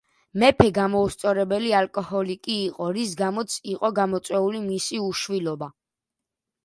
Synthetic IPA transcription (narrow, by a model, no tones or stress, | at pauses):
mɛpʰɛɡamɔust̪sʼɔɾɛbɛlialkʼɔhɔlikʼiːqʼɔɾis̬ɡamɔt̪sʰiqʼɔɡamɔt̪sʼwɛulimisiuʃwilɔba